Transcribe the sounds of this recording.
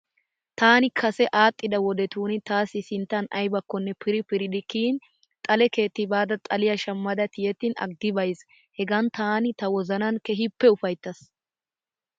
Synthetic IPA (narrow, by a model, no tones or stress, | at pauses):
t̪aːnɪkʰɐsɛʔaːt̪ʼːɪd̪ɐwɔd̪ɛt̪uːnɪt̪aːsɪsɪnt̪ːɐnɐjbɐkːɔnːɛpɪɾɪpɪɾɪd̪ɪkiːn | t̪ʼɐlɛke̞ːt̪ːɪbaːd̪ɐt̪ʼɐlɪjɐʃɐmːɐd̪ɐt̪ɪjɛt̪ːɪnɐ̰ɡːɪbɐjz | hɛɡɐnt̪aːnɪt̪ɐwɔzɐnɐnkɛɦɪpːɛʊfɐjt̪ːɐs